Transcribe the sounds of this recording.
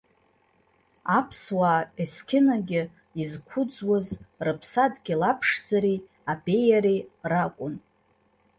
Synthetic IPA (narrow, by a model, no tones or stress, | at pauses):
apʰswaːeskʲʰɪnaɡʲɪ | izkʷʰʊd͡zwazrɨpʰsadɡʲɪlapʰʂd͡zaɾi | abe̞jaɾirakʷʼʊn